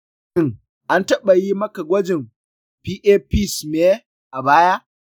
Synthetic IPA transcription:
ɪ˦ŋ | ʔa˦ntɐ˦ɓa˨ji˦mɐ˦ka˨ɡʷɐ˦d͡ʒɪ˨m | piː˦ʔeː˦pi˦˨sme˦ | ʔa˨baː˦ja˦

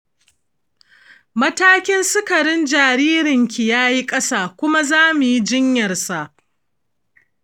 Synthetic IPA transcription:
mɐ˦taː˦kʲɪ˦nsʊ˦kɐ˨ɽɪ˦nd͡ʒaː˨ɾiː˦ɾɪ˨ŋkʲi˨jaː˦ji˦kʼɐ˦saː˦˨kʷʊ˦ma˦zaː˦mu˨ji˦d͡ʒɪ˦ɲjɐ˨rsa˨ʔ

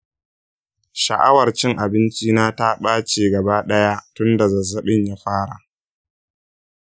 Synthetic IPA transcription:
ʃɐ̰˨ʔa̰˦wɐ˨rt͡ʃɪ˦ŋʔa˨bɪ˦nt͡ʃiː˦naː˦ta˦ɓaː˦t͡ʃeː˨ɡɐ˨baː˦ɗɐ˦ja˦tʊ˦nda˨zɐ˨zɐ˨ɓɪ˦ɲja˦ɸaː˦ɽa̰˨

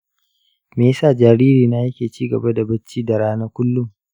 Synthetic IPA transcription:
meː˨jsaː˦˨d͡ʒaː˨ɾiː˦ɾiː˨naː˦jɐ˦kʲeː˨t͡ʃiː˦ɡɐ˨ba˦da˨bɐ˦t͡ʃːiː˦da˨ɽaː˦naː˦kʷʊ˦lːʊ˦ŋ

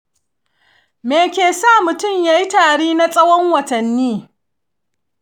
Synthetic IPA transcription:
meː˨kʲeː˨saː˦˨mʊ˨tʊ˦˨mjaː˦ji˦taː˨ɽiː˦na˦sʼɐ˦wɔ˦ŋwɐ˨tɐ˨nːiː˦

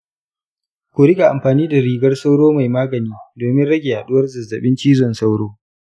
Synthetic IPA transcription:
kʷʊ˨ɾɪ˦ɡa˨ʔa˨mɸaː˨niː˦da˨ɾiː˨ɡɐ˦rsa˦wɽoː˦ma˨jmaː˦ɡɐ˨niː˦doː˨mɪ˦nɽɐ˦ɡʲɪ˨ha˨ɗʊ˦wɐ˦rzɐ˨zːɐ̰˨ɓɪ˦nt͡ʃiː˦zɔ˨nsa˦wɽoː˦

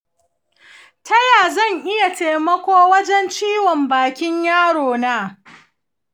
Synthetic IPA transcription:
tɐ˦jaː˨zɐ˦˨ɲʔɪ˦ja˨teː˨mɐ˦kʷoː˦wɐ˦d͡ʒɛ˦nt͡ʃiː˦wɔ˨mbaː˨kʲɪ˦ɲjaː˦ɽoː˨naː˦

